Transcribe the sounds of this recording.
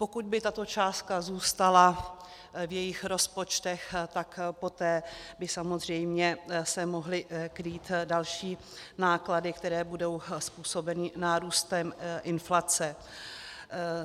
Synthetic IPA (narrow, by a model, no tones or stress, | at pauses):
po̞kut̪̚bɪt̪at̪o̞t͡ʃaːst̪̚kazuːst̪ala | vjɛjɪxɾo̞spo̞t͡ʃt̪ɛxt̪akpo̞t̪ɛːbɪsamo̞zr̝ɛjmɲɛsɛmoɦlɪkɾiːt̪dalʃiː | naːkladɪk̚t̪ɛɾɛːbudo̞wspuːso̞bɛnɪnaːɾuːst̪ɛmʔɪnflat͡sɛ